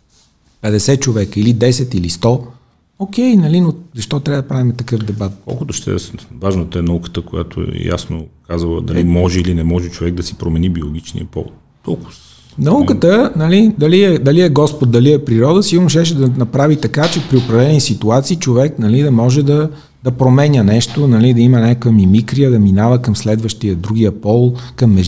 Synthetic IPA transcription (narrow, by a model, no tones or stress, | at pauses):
pɛd̪ɛsɛt͡ʃovɛkəilid̪ɛsɛt̪ilist̪ɔ | ok̟ɛjnɐlinozɐʃt̪ɔt̪ɾʲaɐəd̪ɐpɾavimɛt̪ɐkɤfd̪ɛbat̪̚kɔ̰lˠkʊt̪ʊʃt̪ɛ̰vaʒnət̪oɛnɐukə̥t̪əkoja̰t̪o̰ɛ̰ja̰snokazəlˠə̰d̪ɐlimɔʒɛilinɛmɔʒɛt͡ʃovɛɡ̚d̪ɐsi̥pɾomɛnibiolˠoɡʲit͡ʃnḭəpɔ̰vt̪ | kɔ̰lˠkʊ̥s | nɐukət̪ənɐlid̪ɐliɛd̪ɐliɛɡɔspot̪̚d̪ɐliɛpɾiɾɔd̪əsiɡʊɾnʊʃ̬ɛʃ̬ɛd̪ɐnɐpɾavit̪ɐkat͡ʃɛpɾiopɾɐvlɛnisit̪uat̪siːt͡ʃovɛknɐlid̪ɐmɔʒɛd̪ɐ | d̪̥ɐpɾomɛnʲənɛʃt̪onɐlid̪ɐimənʲakkjəmimikɾijəd̪ɐminavəkɐmslɛd̪vəʃt̪ijəd̪ɾuɡ̟ijəpɔlˠkɐmːɛʒ